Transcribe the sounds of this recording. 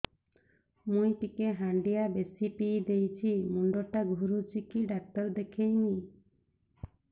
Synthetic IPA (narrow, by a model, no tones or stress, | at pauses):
mũj̃ʈikeɦaɳɖijabesipijd̪ejt͡ʃʰimuɳɖoʈaɡʱuɾut͡ʃikiɖak̚t̪ɔɾd̪ekʰejni